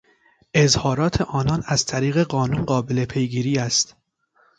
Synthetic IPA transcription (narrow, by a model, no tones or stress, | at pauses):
ʔe̞zhɒːɾɒːt̪ʰe̞ʔɒːnɒːnæzt̪ʰæɾiːɣe̞ɢɒːnunɢɒːbele̞pʰe̞jɡiːɾiːæst̪